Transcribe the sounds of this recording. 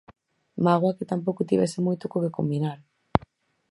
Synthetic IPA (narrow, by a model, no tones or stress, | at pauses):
maɣwaket̪ampowkot̪iβesemojt̪okokekombinaɾ